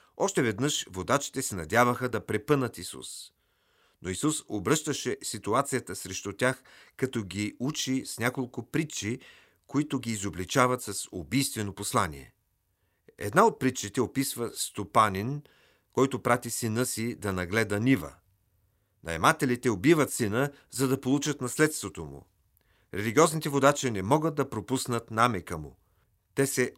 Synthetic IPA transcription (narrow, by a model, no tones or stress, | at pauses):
ɔʃt̪ɛvɛd̪nɤʃvod̪at͡ʃi̥t̪ɛsɛnɐd̪ʲjavəxəd̪ɐpɾɛpɤnət̪isṵs | noisusobɾɤʃt̪əʃɛsit̪uat̪sijət̪əsɾɛʃt̪ut̪ʲaxkɐt̪ɔɡʲiut͡ʃisnʲakolˠkʊpɾit͡ʃi | koit̪ʊɡʲiːzoblit͡ʃavɐt̪sɐsobijst̪vɛnoposlˠanḭɛ̰ | ɛ̰d̪naot̪̚pɾit͡ʃːit̪ɛopisvəst̪opanʲin | kɔjt̪oʊpɾat̪isinɤsid̪ɐnɐɡlɛd̪ənivə̰ | nɐ̰ɛ̰mat̪ɛlit̪ɛobivət̪sinə | zɐd̪ɐpolˠut͡ʃət̪nɐslɛt̪st̪vot̪omṵ | ɾɛliɡʲiɔznit̪ɛvod̪at͡ʃinɛmɔɡəd̪̚d̪ɐpɾopusnət̪namɛkəmʊ̰ | t̪ɛsɛ